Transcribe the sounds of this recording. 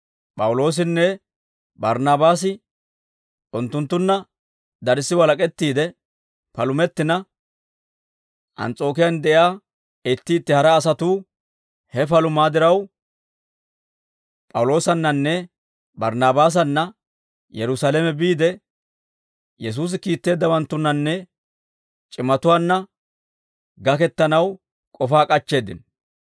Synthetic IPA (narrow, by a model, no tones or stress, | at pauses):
pʼɐwʊlo̞ːs̬ɪnːɛ | bɐɾnaːbaːs̬ɪ | ʔʊnt̪ːʊnt̪ːʊnːɐ | d̪ɐɾɪsːɪwɐlɐkʼɛt̪ːiːd̪ɛ | pɐlʊmɛt̪ːɪnɐ | ʔɐ̰nt͡sʼo̞ːkɪjɐnd̪ɛʔjaː | ɪt̪ːɪːt̪ːɪhɐɾɐːs̬ɐt̪uː | hɛpɐlʊmaːd̪ɪɾɐw | pʼɐwlo̞ːsɐnːɐnːɛ | bɐɾnaːbaːs̬ɐnːɐ | jɛɾʊsaːlɛmɛbiːd̪ɛ | jɛs̬uːs̬ɪkiːt̪ːe̞ːd̪ːɐwɐnt̪ːʊnːɐnːɛ | t͡ʃʼɪmɐt̪ʊwaːnːɐ | ɡɐkɛt̪ːɐnɐw | kʼɔfaːkʼɐt͡ʃːe̞ːd̪ɪ̰n